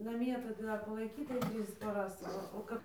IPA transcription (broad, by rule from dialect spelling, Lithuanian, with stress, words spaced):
nɐˈmʲiɛ tɐɪ ˈdɐr pɐlˠɐɪˈkʲiːtɐɪ ˈtʲrʲiːs pɐˈrɐs ˈʋɐ oː ˈkɐp